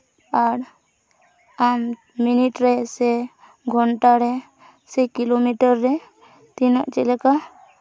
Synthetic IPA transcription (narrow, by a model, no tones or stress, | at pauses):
aɾ | am | miniʈɾɛsɛ | ɡʱɔɳʈaɾɛ | sɛkilomiʈəɾːɛ | t̪inaʔt͡ʃɛlɛka